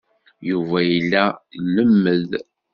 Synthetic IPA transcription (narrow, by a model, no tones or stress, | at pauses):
juvæjilːælːəmːəð